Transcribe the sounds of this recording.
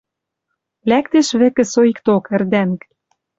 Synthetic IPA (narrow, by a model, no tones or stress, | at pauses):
læk̚t̪eʃβɘ̆kɘ̆soikt̪okɘ̆rd̪æŋk